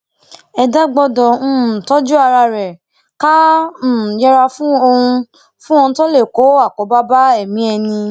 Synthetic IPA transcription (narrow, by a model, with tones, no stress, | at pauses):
ɛ˧da˦ɡ͡bɔ˧dɔ̃˨˦˨tɔ˦d͡ʒu˦a˧ɾa˧ɾɛ˨ | ka˦˨ | jɛ˦ɾa˧fũ˦o˧hũ˧ | fũ˦ɔ̃˧to˦le˦˨ko˨˦a˦˨kɔ˨˦ba˦ba˦ɛ˦˨mĩ˨˦ɛ˧nĩ˧